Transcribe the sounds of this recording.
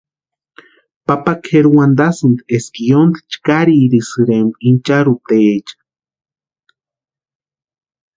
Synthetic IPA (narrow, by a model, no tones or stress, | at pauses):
papakheɾuwand̪asɨnd̪eskijond̪i̥t͡ʃkaɾiːɾisɨɾemint͡ʃaɾut̪eet͡ʃḁ